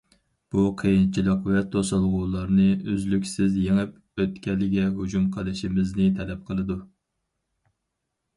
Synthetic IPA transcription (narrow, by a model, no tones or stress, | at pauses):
b̥uqʰəjint͡ʃʰilˠəqvɛt̪ʰosɑlˠʁuːlˠɑɾnɨøzlykʲsɪzjeŋɨp̚ | øt̪kʲɛlɪɡʲɛɦud͡ʒumqʰəlˠɨʃimɪznɪt̪ʰɛlɛp̚qʰəlˠɨd̪u